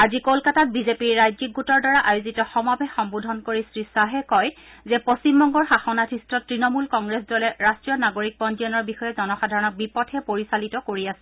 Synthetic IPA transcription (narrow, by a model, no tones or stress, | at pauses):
azikolkatat̚bizepiɹːajzik̚ɡutɔɹdaɹaʔajozitɔxɔmabɛxɔmbudʱɔnkoɹisɹisaɦɛkɔjzɛposimbɔŋɡɔɹxaxɔnatʰistɔtɹinɔmulkɔŋɡɹes̬dɔlɛɹastɹijɔnaɡoɹik̚pɔnd͡ʒiɔnɔɹbixɔjɛzɔnɔxadʱaɹɔnɔk̚bipɔtʰhɛpoɹisalitɔkoɹiasɛ